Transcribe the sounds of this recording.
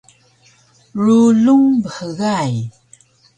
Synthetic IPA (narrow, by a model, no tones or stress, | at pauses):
ɻuɮuŋbəxəɣaj